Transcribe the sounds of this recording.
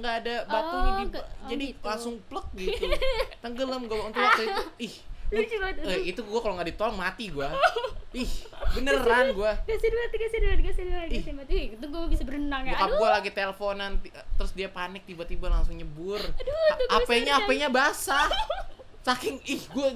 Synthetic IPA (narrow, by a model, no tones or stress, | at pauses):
ŋɡaːdabat̪uid͡ʒadilaŋsʊŋplək̚ɡi | t̪əŋɡələmɡuaunt̪ʊkat̪uiuɪhaəit̪uɡuakaloŋɡadit̪olɔŋmat̪iɡuaɪhbənəɾanɡuaɡasidmat̪iɡasidanɡasidanɪhimat̪it̪ʊŋɡubisabəɾənaŋjakaɡualaɡit̪eləfonant̪it̪əɾʊsdiapanɪk̚t̪ibat̪ibalaŋsʊŋɲəbʊrapaɲaːpaɲabasa | sakɪŋɪhɡua